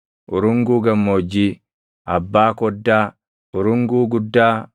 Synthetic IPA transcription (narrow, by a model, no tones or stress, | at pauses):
ʔʊɾʊŋɡuːɡɐmːoːd͡ʒːiː | ʔɐbːaːkɔd̪ːaː | ʊɾʊŋɡuːɡʊd̪ːaː